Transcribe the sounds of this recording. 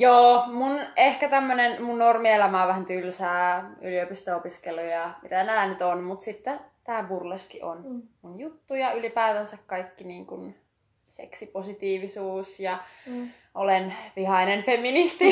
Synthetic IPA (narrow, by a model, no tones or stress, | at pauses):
joːmunehkæt̪æmːønenmunnormielæmɑːʋæhænt̪ylsæːyliopist̪oopiskelujɑmit̪ænæːnyt̪onmut̪sit̪ːɛt̪æːmpurleskiʔʔonmunjut̪ːujɑylipæːðænsækkɑikːiniːŋkun | sḛksiposit̪iːʋisuːsjɑ | ʔolenʋihɑinenfemːinist̪i